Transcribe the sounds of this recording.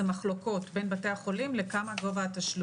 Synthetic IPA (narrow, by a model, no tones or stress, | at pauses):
maχlo̞ko̞tbenbate̞aχo̞limle̞kamaɡo̞vaːt̪aʃl